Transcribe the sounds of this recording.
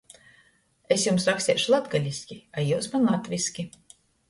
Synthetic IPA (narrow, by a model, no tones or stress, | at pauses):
esʲjumsaksʲiɛʃlˠat̪ɡalʲisʲkʲiajuwsmanlˠat̪ʲvʲisʲkʲi